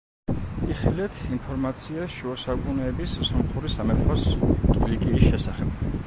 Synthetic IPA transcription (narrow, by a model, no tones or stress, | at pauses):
iχilɛt̪ʰimpʰɔɾmat̪sʰiasʃuɔsakʼunɛːbissɔmχuɾisamɛt̪ʰast̪ʼlikʼiisʃɛsaχɛb̥